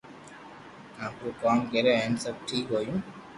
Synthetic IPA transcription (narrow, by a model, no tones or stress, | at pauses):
aːpɾokaːmkeɾeɦensəb̚ʈʰiːkɦoːjũː